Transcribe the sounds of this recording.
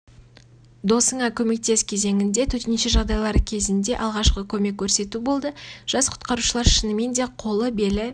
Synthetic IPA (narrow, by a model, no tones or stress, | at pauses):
d̪o̞səɴɑkʲʰɵme̞k̚t̪e̞skʲʰe̞ze̞ŋɪnd̪e̞t̪ʰɵɾt̪ɪnʃɪʒɑʁd̪ɑjlˠɑɾəkʲʰe̞zɪnd̪e̞ʔɑlˠʁɑʃqəkʲʰɵme̞kʲʰːɵɾse̞t̪ubo̞lˠd̪əʒ̥ɑsqʰʊ̥t̪qɑɾuʃəlˠɑɾʃɪnɪme̞nd̪e̞qʰo̞lˠəbe̞lɪ